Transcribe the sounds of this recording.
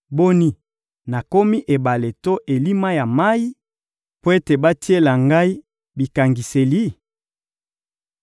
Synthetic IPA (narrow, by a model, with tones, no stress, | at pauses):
bo˦ni˦ | na˨ko˦mi˦ʔe˨ba˨le˨to˦ʔe˨li˦ma˦ja˨ma˦i˦ | po˦e˦te˨ba˦ti˦e˦la˨ŋɡa˦i˦ | bi˨ka˨ŋɡi˨se˨li˦